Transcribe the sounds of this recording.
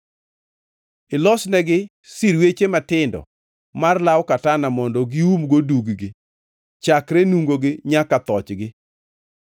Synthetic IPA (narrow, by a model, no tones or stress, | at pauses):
ɪlɔsnɛɡɪ | siɾwet͡ʃematɪndɔ̰ | marlawkatanamɔndɔɡɪumɡoduɡɡɪ | t͡ʃakɾenuŋɡoɡɪɲakat̪ɔt͡ʃɡɪ